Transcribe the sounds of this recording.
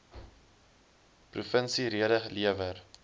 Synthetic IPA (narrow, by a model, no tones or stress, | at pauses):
prufənsiɾiəɾəχliəvər